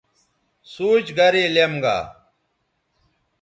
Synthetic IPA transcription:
suːt͡ɕɡɐɾelemɡa̰ː

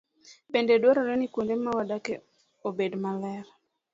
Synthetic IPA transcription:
bendedwaɾɔɾɛnikwondemawadake | obedmalɛɾ

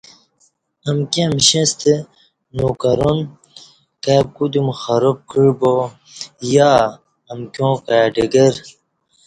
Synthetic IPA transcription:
ɐmkẽmɕẽst̪e | nokɐɾon | kab̚kud̪umxɐɾop̚kiɻbo | jaː | ɐmkjõːkaːɖiɡeɾ

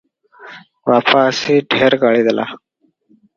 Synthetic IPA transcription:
waːpaːseʈʰeːɾɡaːɭid̪əla̰ː

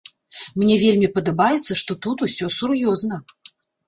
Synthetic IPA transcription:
mnʲɛvʲelʲmʲipɐd̪ɐbajɛt̪sːɐʂt̪ɔt̪ut̪usʲɔsurjɔznɐ

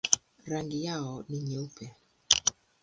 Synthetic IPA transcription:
ɾaŋɡɪjaɔniɲeupʰɛ

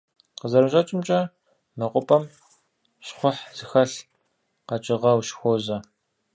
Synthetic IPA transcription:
qəzɐɾɨɕʼɐt͡ʃʼɪmt͡ʃʼɐ | mɐqʷʼʊpʼɐm | ɕχʷʊħz̥ɨxɐɬ | qɐt͡ʃʼɪʁɐwʃxʷoːzɐ

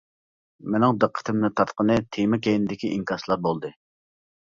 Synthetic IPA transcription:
menɪŋd̪əqʰːə̥t̪ʰɪmnɨt̪ʰɑɾt̪qənɨt̪ʰemɪkʲʰejnɪd̪ɪkʲiʔiŋkʰɑslˠɑɾbolˠd̪ɨ

